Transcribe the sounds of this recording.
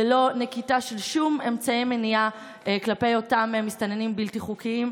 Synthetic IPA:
elo̞ne̞kitaʃelʃume̞mt͡saimenia | klape̞jo̞tamemːist̪anenimbiltiχukiim

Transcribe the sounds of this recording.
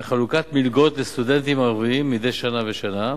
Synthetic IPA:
χalukat̪milɡo̞t̪lest̪ud̪e̞nt̪imaʁviimːid̪ejʃanaveʃana

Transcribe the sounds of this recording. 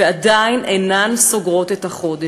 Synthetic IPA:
eadajnʔenanso̞ɡʁo̞tethaχo̞de

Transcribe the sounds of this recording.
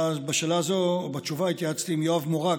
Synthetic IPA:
azbaʃelazobat͡ʃuvait̪jaat͡st̪iːmjoavmoʁa

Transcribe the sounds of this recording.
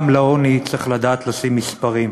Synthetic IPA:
mlaonit͡sʁeχlad̪aːt̪losimːispaʁim

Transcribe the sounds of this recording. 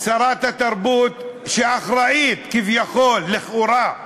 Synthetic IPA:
saɾˤat̪hat̪aɾˤbuːt̪ʃeaxɾaʔiːt̪kivjaxoːlːɪxʔuɾa

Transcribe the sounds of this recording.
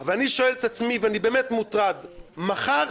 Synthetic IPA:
avalaniʃoɛlet̪at͡smivanibeːmɛtmutʁad̪maχaʁ

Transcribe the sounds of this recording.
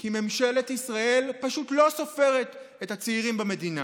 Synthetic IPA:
kime̞mʃele̞tisʁae̞lpaʃutlo̞so̞fe̞ʁe̞t | ethat͡seiʁimbame̞dina

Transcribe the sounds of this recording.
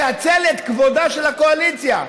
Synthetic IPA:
at͡selet̪kvod̪aʃelako̞alit͡sja̰

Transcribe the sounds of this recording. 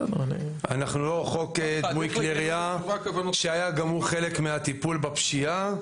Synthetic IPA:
n̰nḭanaχnuloχo̞k̪ːmujkleʁija | ʃeajaɡamuʁχe̞le̞kmeat̪ipulbapʃia

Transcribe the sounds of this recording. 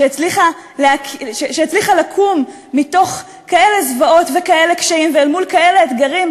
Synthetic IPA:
ʃeet͡sliχa | leakʃeʃeat͡sliχalakʰumː | ito̞χ | kaʔe̞le̞zvao̞t̪vekae̞lekʃaimveːlmulkae̞le̞et̪ɡaʁim

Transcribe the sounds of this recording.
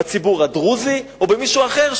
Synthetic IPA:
t͡sibuʁadʁuziobemiʃuaχe̞ʁʃ

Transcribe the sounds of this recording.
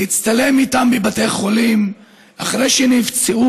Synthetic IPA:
it͡st̪ale̞mit̪ambebateχo̞lim | aχʁejʃɛnivt͡seu

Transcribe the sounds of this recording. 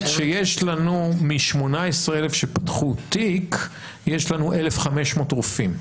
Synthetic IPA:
ʃejeʃlanumiʃmo̞naesʁeelefʃepḁtχutik | jeʃlanuʔelefχame̞ʃmo̞ːtʁufim

